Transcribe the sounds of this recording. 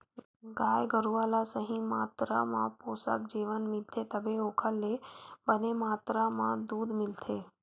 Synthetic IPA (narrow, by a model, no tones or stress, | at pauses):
ɡajɡʱəɾuʋalasəɦĩmat̪ɾa̰mã̰posa̰kd͡ʒiʋənmilt̪ʰet̪əbeokʰəlːebənemat̪ɾamã̰d̪ud̪mɪlt̪ʰe